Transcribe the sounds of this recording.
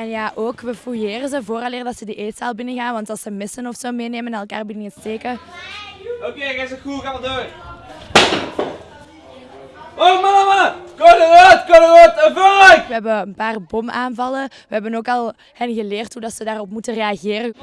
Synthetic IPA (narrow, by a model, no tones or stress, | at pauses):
ɛnjaːʔoːkʋəfujeːrənzəvoːɾɑleːrədɑtsədiʔeːsaːlˠbɪnəɣaːnʋɑntɑlˠsəmɪsənɔfsoːmeːneːmənɛnɛlˠka̰ːrbidinətsteːkə | okeɣasəxuɣaʋədo | omamakonənotkonənotəvaʋəɦɛbəənpaːrbɔmaːnvɑlə | ʋəɦɛbənoːkɑlˠ | hɛnɣəleːrthudɑtsədaːrɔpmutəreɑɣeːɾə